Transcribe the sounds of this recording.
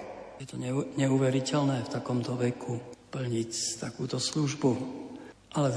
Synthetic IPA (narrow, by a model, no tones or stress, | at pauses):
jɛt̪ɔɲɛɲɛuʋɛɾicɛlnɛːft̪akɔmt̪ɔʋɛkʰupl̩ɲict̪akuːt̪ɔsluʒbu | ʔalɛ